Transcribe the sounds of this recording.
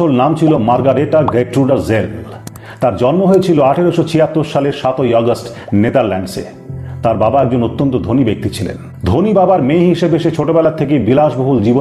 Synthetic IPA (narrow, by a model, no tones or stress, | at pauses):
olnamt͡ɕʰilomaɾɡaɾeʈaɡeʈ̚ʈɾuɖaɾzel | t̪aɾd͡ʑɔnmoɦoet͡ɕʰiloaʈʰeɾoʃot͡ɕʰiɦat̪ːoɾʃaleɾʃat̪ojɔɡəsʈ | net̪aɾlɛnɖsḛ | t̪aɾbabaɛɡ̚d͡ʑonot̪ːont̪od̪ʱonibek̚t̪it͡ɕʰilḛn | d̪ʱonibabaɾmejɦiʃebeʃet͡ɕʰoʈobɛlaɾt̪ʰekebilaʃboɦuld͡ʑibo